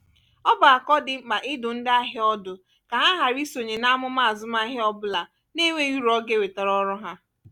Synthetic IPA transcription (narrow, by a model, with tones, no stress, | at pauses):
ɔ˦ba˨a˨kɔ˦dɪ˨˦k͡pa˨ʔɪ˦dʊ˨n̩˦da˦ɦɪ˦ɔ˦dʊ˨ | ka˨ɦa˦ɦa˨ɾi˦so˨ɲe˨na˦a˦mʊ˦ma˦˨a˨zʊ˦m˦a˦ɦɪ˦ɔ˦bʊ˦la˨ | ne˦ŋʷe˦ju˦ɾɔ˦ɡe˦we˨tɔ˨ɾɔ˦ɾɔ˦ɦa˦